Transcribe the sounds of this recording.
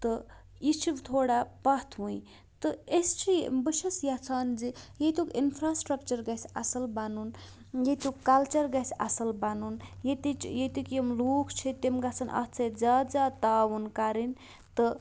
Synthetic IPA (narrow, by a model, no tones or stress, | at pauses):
t̪ə | it͡ʃʰibt̪ʰoːɽapɐt̪ʰɦujĩ | t̪ɨest͡ʃʰibɨʃɐsjat͡sʰaːnd͡zijet̪ukinpʰɾasʈɾɐkt͡ʃɐɾɡɐsa̰sɐlbanun | jet̪ukːalt͡ʃɐɾɡasʰʲa̰sɐlbanunjet̪it͡ʃjet̪ikemluːkʰt͡ʃʰit̪emɡat͡sʰɐnʔɐ̰t͡sʰɐd͡zaːd͡zat̪awunkaɾin | t̪ə